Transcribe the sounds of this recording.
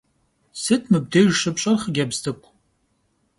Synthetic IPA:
sɨtʰʼmɨb̚deʒʂɨpt͡ʃʼɐrχəɡʲabztʰɨkʷʼ

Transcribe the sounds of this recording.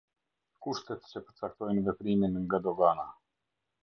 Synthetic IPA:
kuʃt̪ɛt̪t͡ʃəpəɾt͡sak̚t̪ɔjnvɛpɾiminŋɡad̪ɔɡana

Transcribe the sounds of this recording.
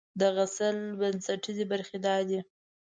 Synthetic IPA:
d̪əɣasəlbənsaʈizebaɾxed̪ɑd̪i

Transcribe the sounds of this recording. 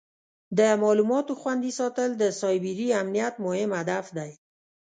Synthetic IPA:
d̪əmɑlumɔt̪oxwand̪isɑt̪əld̪əsɑjbiɾiamnijat̪mʊhɪmhad̪afd̪aj

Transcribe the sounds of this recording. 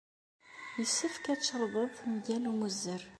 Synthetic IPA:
jəsːəfkæt͡sːəɾˤðˤəðˤmʝælmuzːəɾ

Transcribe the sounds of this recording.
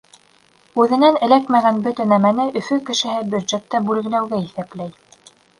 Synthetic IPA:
ʉðɘ̆nænɘ̆lækmæɣænbɵ̆t̪ɘnæmænɘʔɵ̆fɵkɘ̆ʃɘ̆ɦɘbjud̪ʒet̪ːæbʉlɡɘ̆læwɡæiθæplæj

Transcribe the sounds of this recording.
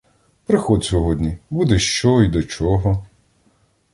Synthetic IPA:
pɾɪxɔd̪sʲɔɦɔd̪ʲnʲibud̪ɛʃt͡ʃɔid̪ɔt͡ʃɔɦɔ

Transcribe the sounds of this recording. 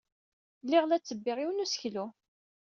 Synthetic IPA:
lːɪʁlæt͡sːəbːɪʁiwənusə̥çlu

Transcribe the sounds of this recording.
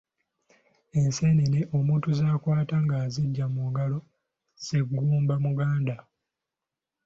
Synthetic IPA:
e̞nseneleʔo̞muːntuzaːkwaːtaŋɡaːziɟːamuɡalo̞ | z̥e̞ɡːuːmbamuɡaːnda

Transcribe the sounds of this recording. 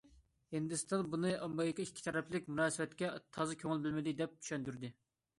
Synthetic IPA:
hɪnd̪ɪst̪ɑnbunɨʔɑmbɑjkɑikʲʰːi̥t̪ʰɛɾɛplɪk̚ʲmunɑːsɨvɛt̪kʲɛt̪ʰɑzɨkʲʰøŋɪlˠbɪlmɪd̪ɪd̪ɛp̚t̪ʰy̥ʃɛnd̪yɾd̪ɪ

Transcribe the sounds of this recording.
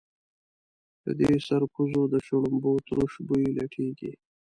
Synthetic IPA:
d̪̥ə̰d̪esaɾkuzod̪əʃoɽumbot̪ɾuʃbujilaʈʰeɡḭ

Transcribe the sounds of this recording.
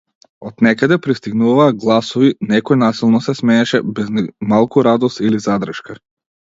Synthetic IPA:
ɔt̪nɛkad̪ɛpɾist̪iɡnuvaːɡlˠasɔvinɛkɔjnasilˠnɔsɛsmɛɲɛʃɛbɛzmalˠkuɾad̪ɔst̪ilizad̪ɾəʃka

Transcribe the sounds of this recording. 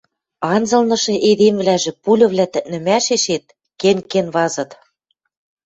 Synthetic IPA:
ɑnzɤ̆lnɤ̆ʃɤ̆ʔed̪emvlæʒĕpulʲɤ̆βlʲæt̪ɘ̆t̪̚nɘ̆mæʃeʃet̪̚ | kenkenβɑzɤ̆t̪

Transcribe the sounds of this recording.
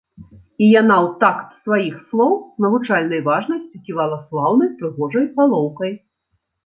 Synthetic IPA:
ijanawt̪akt̪svajixslˠɔwnɐvut͡ʂalʲnɐjvaʐnɐsʲt͡sʲikʲivalˠɐslˠawnɐjpɾɨɣɔʐɐjpalˠɔwkɐj

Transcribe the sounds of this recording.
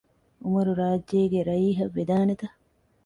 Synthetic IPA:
umɐɾuɾaːd͡ʒːeːɡeɾɐjiːɦɐʋːed̪aːnet̪ɐ

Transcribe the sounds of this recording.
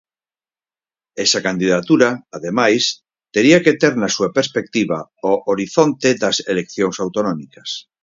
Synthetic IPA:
ɛsɐkand̪iðat̪uɾɐaðemajs | t̪eɾiaket̪eɾnɐsuapeɾspek̚t̪iβaoʔoɾiθont̪eðɐselekθjoŋsawt̪onɔmikɐs

